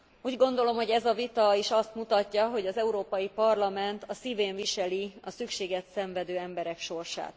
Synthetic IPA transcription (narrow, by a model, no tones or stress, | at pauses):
uːɟɡo̞nd̪o̞lo̞mho̞ɟɛzɒvit̪ɒiʃɒst̪mut̪ɒcːɒɦo̞ɟɒzɛuɾoːpɒjipɒrlɒmɛnt̪ɒsiveːɱviʃɛliɒsykʃeːɡɛt̪sɛɱvɛd̪øːɛmbɛɾɛkʃo̞rʃa̰ːt̪